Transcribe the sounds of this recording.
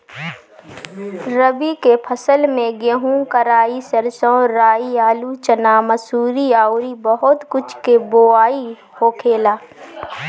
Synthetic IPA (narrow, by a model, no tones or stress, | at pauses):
ɾəbikepʰəsəlmẽɡeɦũkəɾaːisɐɾsõɾaːiaːlut͡ʃənaːməsuːɾiaːʊɾibəɦʊt̪kʊt͡ʃʰkeboːaːi | hokʰeːlaː